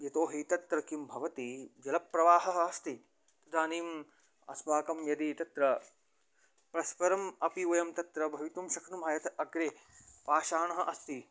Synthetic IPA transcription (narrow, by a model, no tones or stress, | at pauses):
jɐt̪oːɦit̪ɐt̪ɾɐkimbʱɐʋɐt̪id͡ʒɐlɐpːɾɐʋaːɦɐɦɐ̆ɐst̪i | t̪ɐd̪ʱaːniːm | ɐ̰sbaːkɐmjɐd̪it̪ɐt̪ɾɐ | pɾɐʃpɐɾɐmɐpiʋɐjɐmt̪ɐt̪ɾɐbʱɐʋit̪umʃɐknumaːjɐt̪ɐɡɾeːpaːʃaːɳɐɦɐʔɐst̪i